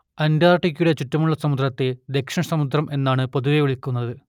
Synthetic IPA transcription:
ɐndaːrʈːikʲːjuɽe̞t͡ɕitːɐmuɭːɐsɐmud̪rɐt̪ːed̪e̞kʂɐɳɐsɐmud̪rɐmʔe̞nːaːɳɨpoðuʋeʋuɭikʲːunːɐðɨ

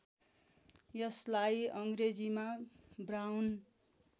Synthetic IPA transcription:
jʌslajʌŋɡred͡zimabrawn

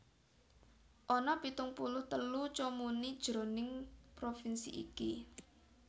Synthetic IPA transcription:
ʔɔnɔpit̪ʊŋpulʊht̪əlut͡ʃomunid̥ʒ̥ɾo̤nɪŋpɾofinsḭʔḭki

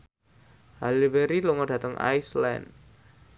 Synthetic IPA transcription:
halibeɾilɔŋɔɖä̤t̪əŋa̰jslɛ̰nd

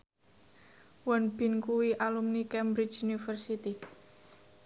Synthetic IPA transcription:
wɔnb̥i̤nkuwiʔalumnikɛmbɾit͡ʃunifərsit̪i

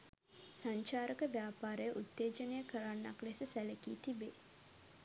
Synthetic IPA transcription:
saɲt͡ʃaːɾəkəʋjaːpaːɾəjəʔut̪ːeːd͡ʒənejəkəɾanːaklesəsæləkiːt̪ibeː

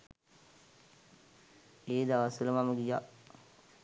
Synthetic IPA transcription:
id̪awasiləmaməɡija

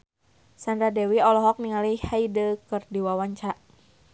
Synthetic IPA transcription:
sandɾadɛwiɔlɔɦɔk̚niŋalihaidəkɨrdiwawaɲt͡ʃaʔ

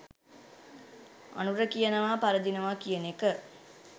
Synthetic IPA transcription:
a̰nuɾəkijənɐʋaːpaɾəd̪inɐʋaːkijənekə

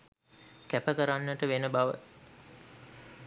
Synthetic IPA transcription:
kæpəkəɾanːəʈəʋenəbaʋə̰

